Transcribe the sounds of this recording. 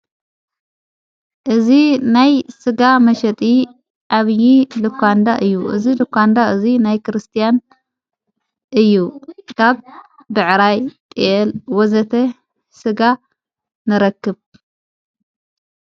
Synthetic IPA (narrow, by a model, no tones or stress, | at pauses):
ʔɨzinajsɨɡamɐʃɐt̪ʼi | ʔaβɨjilɨkʷʰːand̪aʔɨjːuʔɨ̰zilɨkʰʷːand̪aʔɨzinajkʰɨɾɨst̪ʰijan | ʔɨjːukʰaβ | bɨʕɾajt̪ʼiɛlwɔzɐt̪ʰɐ | sɨɡa | nɨɾɐkːɨβ